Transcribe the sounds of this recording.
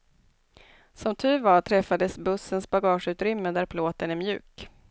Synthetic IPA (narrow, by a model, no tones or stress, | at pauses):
sɔmt̪ʰʉ̟ːvɑʈ̪ʰɾɛfːad̪əsbɵsːənsbaɡɑːʂʉ̟ːt̪ɾʏmːəd̪æɾpʰloːt̪ənæɾmjʉ̟ːk